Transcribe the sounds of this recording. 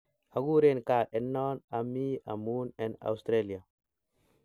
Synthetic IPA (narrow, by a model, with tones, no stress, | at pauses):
ha˨ɡu˦ɾenka˨ʔe˨nːɔ˦na˨mi˦a̰˨mu˦ne˨na̰˨wst̪ɾeli˨a˨